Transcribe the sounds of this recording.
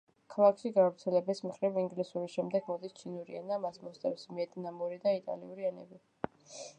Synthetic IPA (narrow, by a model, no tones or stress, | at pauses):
kʰalˠakʰʃiɡavɾt̪sʰɛlɛbɛsmχɾiviŋɡlisuɾiʃɛmd̪ɛɡmɔd̪ist͡ʃʰinuɾiɛnamasmɔst̪ʼɛfsmiɛt̪ʼnamuɾid̪ait̪ʼa̰lḭuɾiɛnɛ̰bi